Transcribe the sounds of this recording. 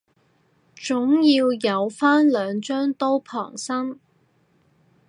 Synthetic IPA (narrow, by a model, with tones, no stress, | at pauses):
t͡ʃʊ˨˥ŋjiː˧wjɐ˨˧wfaː˥nlœː˨˧ŋt͡ʃœː˥ŋt̪o˥wpʰɔ̰ː˨˩ŋsɐ˥ŋ